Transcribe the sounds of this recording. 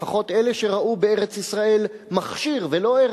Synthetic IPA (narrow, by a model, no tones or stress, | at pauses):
aχo̞t̪ele̞ʃe̞ʁaʔubeeʁet͡sisʁae̞lmaχʃiʁvelo̞e